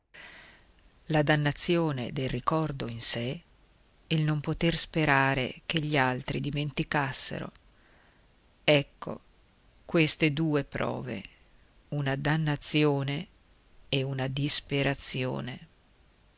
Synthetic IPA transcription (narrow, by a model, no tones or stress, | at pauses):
lad̪anːat̪sːjoːnḛd̪elrikɔrd̪oinse | elnompot̪erspeɾaːɾḛkeʎːialt̪ɾid̪iment̪ikasːḛɾo̰ | ɛkːo̰ | kwest̪ed̪uːepɾɔ̰ːvḛ | unad̪anːat̪sːjoːne | eunad̪ispeɾat̪sːjo̰ːne